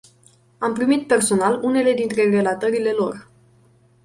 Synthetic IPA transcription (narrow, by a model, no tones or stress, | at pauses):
ampɾimit̪̚pe̞rso̞nalune̞le̞d̪int̪ɾe̞re̞lat̪əɾile̞lo̞r